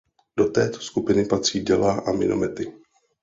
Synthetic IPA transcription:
d̥o̞t̪ɛːt̪o̥skupɪnɪpat̪r̝̥iːdɛlaːʔamɪ̰nʔo̰mɛt̪ɪ

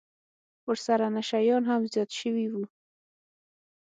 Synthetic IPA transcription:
wəɾsaɾanaʃajɑnɦamzjɑt̪ʃəwiwu

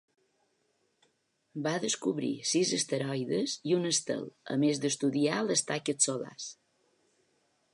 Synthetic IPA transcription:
baðəskuβɾḭsizəst̪əɾɔjðəziunəst̪ə̰lˠə̰mezd̪əst̪uðialəst̪akət̪sola̰s

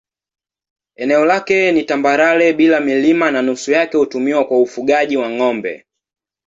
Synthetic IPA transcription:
ɛnɛɔlakɛnitambaɾalɛɓilamilimananusujakɛhutumiwakwaufuɡaʄiwaŋɔmbɛ̰

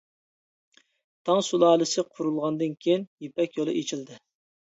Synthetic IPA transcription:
t̪ʰɑŋsulˠɑːlˠɨsɪqʰʊɾulˠʁɑnd̪ɨnkʲʰejinjepɛkʲjolˠɨ̰ʔet͡ʃʰild̪ɪ

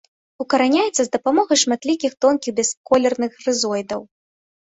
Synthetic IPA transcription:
ukɐɾanʲajɛt̪sːɐzd̪ɐpamɔɣɐjʂmat̪lʲikʲixt̪ɔnkʲiɣbʲɛskɔlʲɛrnɨxrɨzɔjd̪ɐw

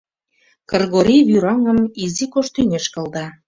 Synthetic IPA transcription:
kɤrɣoɾʲiβyɾɑŋə̆mizikoʃt̪ynʲeʃkɤ̆ld̪ɑ

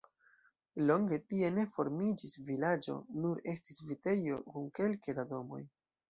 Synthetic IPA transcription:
lo̞ŋɡe̞tie̞ne̞fo̞ɾmid͡ʒisvilad͡ʒo̞̰nuɾe̞stisvite̞jo̞̰kumke̞lkadado̞mo̞̰j

